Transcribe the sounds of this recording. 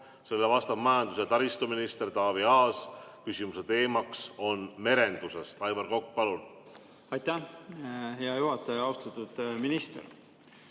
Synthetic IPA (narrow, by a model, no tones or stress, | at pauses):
se̞lːevɑst̪ɑbmɑjɑnd̪̥us̬et̪ɑɾist̪uminist̪e̞rt̪ɑːviɑːskysʲimuse̞t̪e̞ːmɑkso̞nme̞ɾe̞nd̪̥use̞st̪ɑjvɑrko̞k̚ːpɑlun | ɑjt̪æ | heɑjuhɑt̪ːˑɑjɑɑwst̪ɑt̪ːˑud̪̥minist̪ḛɾ